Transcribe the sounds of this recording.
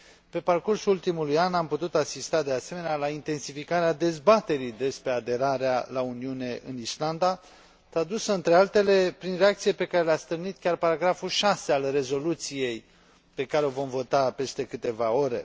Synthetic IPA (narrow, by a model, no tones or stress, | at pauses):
pe̞parkursuult̪imulujanamput̪ut̪asist̪ad̪e̞ase̞me̞nealaint̪e̞nsifikaɾead̪e̞zbat̪e̞ɾid̪e̞spɾe̞ad̪e̞ɾaɾea̰launiune̞ʔɨnisland̪a | t̪ɾad̪usəɨnt̪ɾe̞alt̪e̞le̞pɾinreak̚t̪siepe̞kaɾeleast̪ɨrnit̪̚kʲarpaɾaɡɾafuʃase̞alre̞zo̞lut̪sije̞j | pe̞kaɾeo̞vo̞mvo̞t̪ape̞st̪e̞kɨt̪e̞vao̞ɾe̞̰